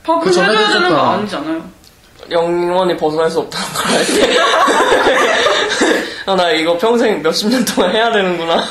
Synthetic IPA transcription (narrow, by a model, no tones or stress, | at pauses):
pakʰɯt͡ɕʌneɡesenaɲid͡ʑanajo | jʌŋŋwʌɲipʌsʰʌnɦaɭs͈uʌp̚t͈anɯnɡʌɾaite | ʌnaiɡʌpʰjʌŋsʰe̞ŋmjʌɕ͈imɲʌntʰoŋanɦe̞jadwenɯnɡuna